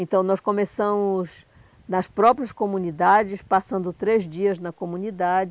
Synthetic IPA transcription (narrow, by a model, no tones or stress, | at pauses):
ẽnt̪ɐ̃w̃nɔskõmesɐ̃mʊz | nɐspɾɔpɾiɐskomũnid̪ad͡ʒɪspasɐ̃nd̪ʊt̪ɾezd͡ʒiɐznɐkomũnid̪ad͡ʒɪ